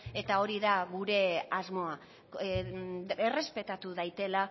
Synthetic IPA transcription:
e̞t̪ao̞ɾiðaɣuɾe̞azmo̞a | ere̞spe̞t̪at̪uðajt̪e̞la

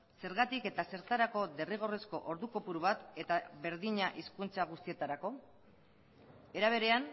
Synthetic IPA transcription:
se̞ɾɣat̪ike̞t̪ase̞ɾt̪aɾako̞d̪e̞riɣ̞o̞resko̞̰ʔo̞ɾðuko̞puɾuβat̪e̞t̪aβe̞ɾðiɲaʔiskunt͡saɣ̞ust̪ie̞t̪aɾako̞ | e̞ɾaβ̞e̞ɾe̞an

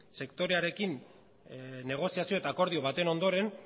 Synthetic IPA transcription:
se̞kt̪o̞ɾe̞aɾe̞kin | ne̞ɣ̞o̞siasio̞t̪aːko̞ɾð̞io̞β̞at̪e̞no̞nd̪o̞ɾe̞n

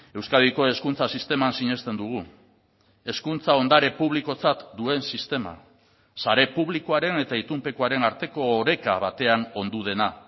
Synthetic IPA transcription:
e̞wskaðiko̞e̞skunt͡sasist̪e̞mansiɲe̞st̪e̞nd̪uɣ̞u | e̞skunt͡sao̞nd̪aɾe̞puβ̞liko̞t͡sat̪d̪ue̞nsist̪e̞ma̰ | saɾe̞puβlikoaɾe̞ne̞t̪ait̪umpe̞koaɾe̞naɾt̪e̞ko̞ːɾe̞kaβat̪e̞ano̞nd̪uð̞e̞na

